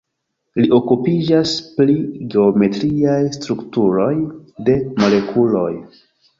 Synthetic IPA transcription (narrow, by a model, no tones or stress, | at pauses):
liʔo̞kupid͡ʒaspliɡe̞ome̞tɾiajstɾuktuɾo̞jde̞mo̞le̞kʰulo̞̰j